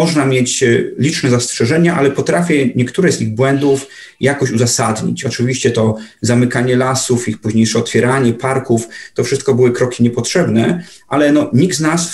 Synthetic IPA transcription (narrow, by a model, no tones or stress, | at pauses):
ɔʐnamʲjet͡ɕlʲit͡ʂnɛzastʂɛʐɛɲaʔa̰lɛpɔt̪ɾafʲjɛɲɛkt̪uɾɛziɣbwɛnd̪uf | jakɔɕuzasad̪ɲḭt͡ɕɔt͡ʂɘvʲiɕt͡ɕɛt̪ɔzamɘkaɲɛlasufixpuʑɲejʂɛɔt̪fʲjɛɾaɲɛpaɾkuft̪ɔfʂɘst̪kɔbɘwɘkɾɔkʲiɲɛpɔtʂɛbnɛ | ʔalɛnɔɲiɡd̪znas